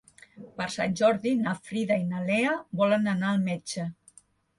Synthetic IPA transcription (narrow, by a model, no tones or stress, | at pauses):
pəɾsa̰nʲʒɔɾðinafɾiðainaleəbɔlənənaəlˠmɛd͡ʒə